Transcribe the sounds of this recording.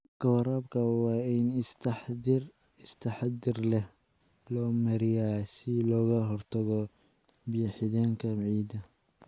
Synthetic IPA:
ɡ̥ɐwɾaːbkʰɐwɑːɪnt̪ħr | ɪst̪ʰɐħd̪ɪrlɛh | lɔːmɐɾɪjasɪlɔːɣɐɦɔrt̪ʰɐɣɔ | bijħɪðaːŋkʰɐʕiːd̪ɐ

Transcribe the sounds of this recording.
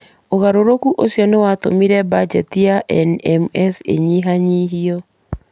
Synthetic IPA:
oɣaɾoɾokuʔosjɔnewatomiɾɛbad͡ʒɛtiaʔɛnɛmɛsḛɲiɦaɲiɦiɔ

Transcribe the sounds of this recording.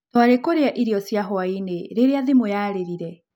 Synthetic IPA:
twaɾekoɾeaʔiɾiɔsjaɦwaineɾeɾeaðemojaɾeɾiɾɛ

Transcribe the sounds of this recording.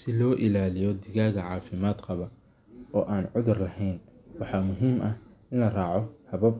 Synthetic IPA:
sɪlɔːʔɪlaːlɪjɔd̪ɪɣaːɣɐʕɑːfɪmaːd̪qʰɐβɐ | ɔːʔaːnʕʊðʊrlɐhɛjnwɑħɑːmʊɦiːmʔɐhʔɪnlɐrɑːʕɔhɐβɐb

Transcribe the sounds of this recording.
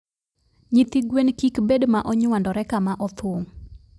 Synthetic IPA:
ɲit̪iɡwenkikbedmaʔɔɲwandɔɾɛkamaʔɔt̪ʰwoŋ

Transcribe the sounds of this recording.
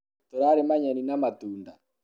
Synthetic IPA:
t̪oɾaɾemaɲɛninamatuːnda

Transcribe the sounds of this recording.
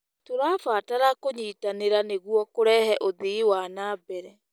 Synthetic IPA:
toɾaːfaːtaɾakoɲiːtaneɾaneɣwɔkoɾɛːhɛʔoðeiwanaːbɛɾɛ

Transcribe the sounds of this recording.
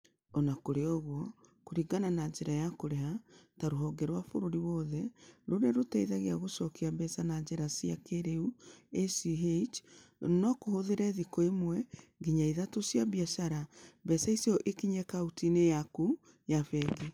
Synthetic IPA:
ɔnakoɾeɔɣwɔ | koɾiɡananad͡ʒeɾajakoɾeɦataɾoɦɔɡɛɾwafoɾoɾiwɔðɛɾoɾeɾotɛiðaɣeaɣosɔkeabɛsanaɲd͡ʒeɾasiakeɾeuesiɦet͡ʃnɔkohoðeɾɛðikɔemwɛɡiɲaiðatosjaβiaʃaɾabɛsaisɔʔekiɲɛkautinejaku | jafɛɡe

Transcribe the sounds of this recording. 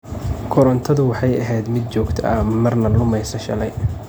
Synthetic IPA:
kʰɔɾɔnt̪ʰɐðʊwɑħɑjɐɦɛjd̪mɪd̪̚t͡ʃɔːɡt̪ʰɐ̰ʔɐmɐrnɐlʊmɛjsɐʃɐlɛj

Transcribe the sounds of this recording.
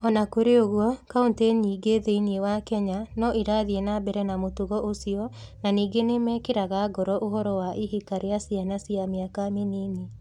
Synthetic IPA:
ɔnakoɾeoɣwɔkaunteɲiːɡeðeiniewakɛɲanɔʔiɾaːðienabɛɾɛnamotuɣɔʔosiɔnaniːɡenemɛːkeɾaɣaɡɔɾɔʔoɦɔɾɔwaʔiɦikaɾeasianasiameakamenene

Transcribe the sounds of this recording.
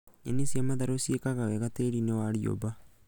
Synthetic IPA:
ḛnisiamaðaɾosiekaɣaweɣateɾinewaɾio̰ba

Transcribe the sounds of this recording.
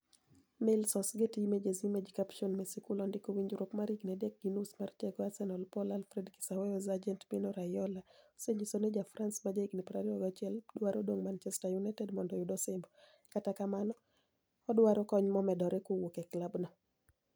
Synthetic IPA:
melsɔsɡetimed͡ʒezimed͡ʒikapʃɔnmɛsikulɔndɪkowiɲd͡ʒɾokmaɾiɡnɛdek̚ɡinusmarteɡɔasɛnɔlpɔlalfɾɛdki̥sawɛɔzad͡ʒɛntpinɔɾajɔlaseɲd͡ʒisoned͡ʒafɾansmad͡ʒaiɡnipɾaɾiɔɡat͡ʃɪɛldwaɾodoŋmant͡ʃɛstajunajtɛdmɔndɔjudɔsɪmbɔ | katakamanɔː | dwaɾɔkɔɲmɔmɛdɔɾɛkowokɛklabnɔ

